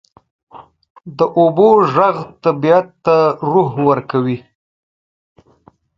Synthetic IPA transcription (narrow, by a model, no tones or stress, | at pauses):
d̪əʔoboʒaɣt̪abiat̪ːaɾuɦwəɾkawi